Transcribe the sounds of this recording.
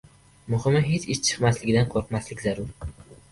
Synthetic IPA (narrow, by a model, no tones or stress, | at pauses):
mʊhɪmɪɦet͡ʃɪʃt͡ʃʰɨ̥qmaslɪɡʲɪd̪anqʰoɾqmaslɪkʲzaɾʊɾ